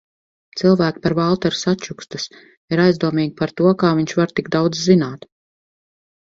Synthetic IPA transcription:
t̪silˠvæːkpaɾvalˠt̪ɛɾsatt͡ʃukst̪us | iɾajzd̪uɔmiːɡʲipaɾt̪uɔkaːviɲʃvaɾt̪iɡd̪awd̪zzinaːt̪

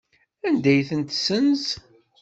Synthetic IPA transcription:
ænd̪æjθənt̪sənz

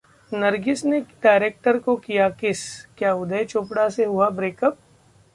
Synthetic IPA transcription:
nɐɾɡɪsneɖaːɪɾeːk̚ʈəɾkokijakɪskjaːʊd̪ʱəet͡ʃʊːpɽaseɦʊabɾeːkəp̚

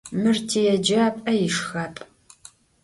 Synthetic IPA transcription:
mɨrtʰijɛd͡ʒɐpʼɐjɪʂxɐpʼ

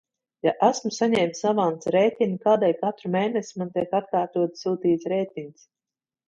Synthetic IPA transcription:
jaʔasmusaɲɛːmt̪savant̪sɾɛjt̪ʲinʲikaːd̪ɛjkat̪ɾumeːnesʲimant̪iɛkat̪̚kaːɾt̪uɔt̪ssuːt̪iːt̪sɾɛːt̪ʲiɲʲs

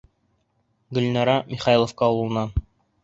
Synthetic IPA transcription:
ɡɵ̆lnɑɾɑmʲiχɑjilˠŏfkɑullˠɤ̆nɑ

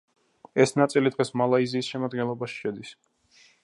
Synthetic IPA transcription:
ɛsnat̪sʼilid̪ʁɛsmalˠaiziːsʃɛmad̪̚ɡɛnlˠɔbaʃi̥ʃɛd̪is

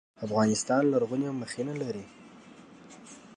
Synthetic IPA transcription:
afɣɑnɪst̪ɑnlaɾɣuneməxenalaɾi

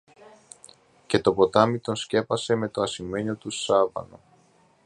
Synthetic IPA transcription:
ce̞t̪o̞po̞t̪ɐmit̪o̞nsce̞pɐse̞me̞t̪o̞ɐsime̞ɲot̪usɐvɐ̰no̰

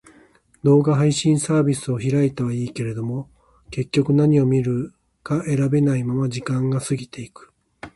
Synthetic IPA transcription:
d̪o̞ːɡaɦaiɕĩɰ̃saːbʲisɨo̞çiɾait̪aβaiːke̞ɾe̞d̪o̞mo̞ | ke̞kʲːo̞kɯ̟naɲ̟io̞mʲiɾɯ̟ | kaʔe̞ɾabe̞naimamad͡ʑikãŋɡasɨɡʲit̪e̞ikɯ̥

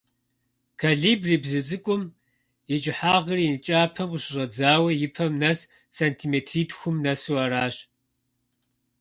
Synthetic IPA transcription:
kʰaːɮiːbriːbzɨt͡sʼɨkʷʼʊm | jɛt͡ʃʼɪħaːʁəriːnɨt͡ʃʼaːpʰɐmqəɕɪʑɐd͡zaːwɐjɪpʰɐmnɐs | saːntʰimeːtʰriːtxʷʊmnɐsuwɐɾaːɕ

